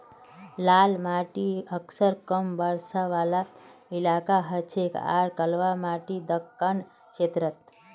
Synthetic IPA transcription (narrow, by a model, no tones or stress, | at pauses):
lalmaʈiəksəɾkəmbəɽsaʋalailakaɦət͡ʃʰeka̰ɾkəlʋamaʈid̪əkːən | kʃet̪ɾət̪̚